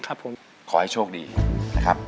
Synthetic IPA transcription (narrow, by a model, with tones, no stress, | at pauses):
kʰa˦˥pʰo˨˩˦m | kʰɔː˩˦ha˥˩jt͡ɕʰoː˥˩k̚dḭː˧na˦˥kʰɾa˦˥p̚